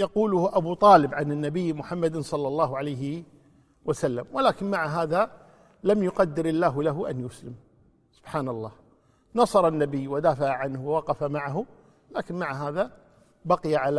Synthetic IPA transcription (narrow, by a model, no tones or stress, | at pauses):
jɑquːlʊhʔabut̪ˤɑːlɪbʕanɪnːabɪjːmʊħamːad̪sˤɑlːɑlˤːɑːɦʕalajɦɪ | wasalːamwɪlaːkɪnmaʕɦaːða | lamjʊqɑd̪ːɪɾɪlːaːɦʊlaɦʊʔa̰njʊslɪm | sʊb̥ħaːnɑlˤːɑːh | nɑsˤɑɾˤɑnːabɪjːwad̪aːfaʕaʕanhwawɑqɑfamaʕaɦʊ | laːkɪnmaʕɦaːða | baqɪjaʕal